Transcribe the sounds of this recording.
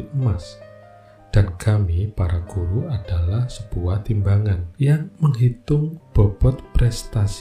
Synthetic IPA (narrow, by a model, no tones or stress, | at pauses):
əmas | d̥ankamipaɾaɡ̥uɾuʔad̥alahsəb̥uaht̪imbaŋanjaŋməŋɦit̪ʊŋb̥ɔb̥ɔt̪̚pɾɛst̪as